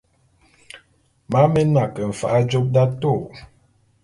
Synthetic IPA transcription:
ma˨˦me˦na˨kə˨m̩˨fa˨ʔa˦d͡ʒo˦k̚da˦to˦˨

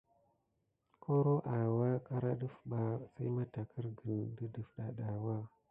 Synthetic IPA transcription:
kʰo˦ɾo˦ʔa˨wa˦ka˦ɾa˦ɗə˦fɓa˨sa˦jma˦ta˨kʰə˦ɾɡə˨ndə˦də˨fɗa˨ɗa˨wa˦

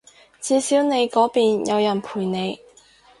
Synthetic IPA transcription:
t͡siː˨˧siː˨˥wne˨˧jkɔː˨˥piː˨njɐ˨˧wjɐ˨˩npʰuː˨˩jne˨˧j

